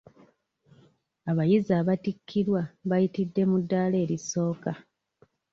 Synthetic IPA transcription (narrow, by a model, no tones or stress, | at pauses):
aβajizaːβatikʰːiɾwaβajitidːe̞mudːaːle̞ːɾiso̞ːka